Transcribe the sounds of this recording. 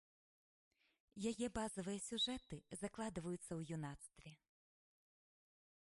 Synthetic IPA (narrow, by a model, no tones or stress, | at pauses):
jajɛbazɐvɨjɐsʲuʐɛt̪ɨzaklˠad̪ɨvɐjut̪sːɐwjunat̪st̪vʲɛ